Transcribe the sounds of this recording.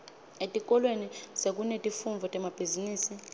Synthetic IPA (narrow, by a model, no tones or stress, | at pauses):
etʼikʼɔlwenisek̬ʼunetʼifuɱvʱɔtʼɛmab̥ʱiziniːsi